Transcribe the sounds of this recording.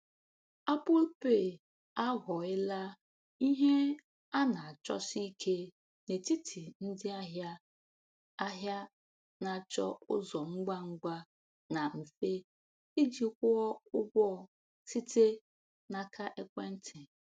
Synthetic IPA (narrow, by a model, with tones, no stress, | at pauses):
a˦pʊ˦lpe˦˨ | a˦ɣɔ˨ɪ˦la˦ | i˦ɦe˦ | a˦na˨a˨t͡ʃɔ̰˦si˦kʰe˦ | ne˨ti˦tʰi˨n̩˦dɪ˦a˦ɦja˦ | a˦ɦja˦ | na˨t͡ʃɔ̰˦ʊ̰˦zɔ˨ŋ͡m̩˦ɡ͡ba˦ŋ͡m̩˦ɡ͡ba˦ | na˨m̩˨fe˦ | i˦d͡ʒi˨kʷʊ˦ɔ˦ʊ˦ɡʷɔ˦˨ | si˦te˦ | na˨kʰa˦ʔe˦kʷe˦n̩˦tʰɪ˨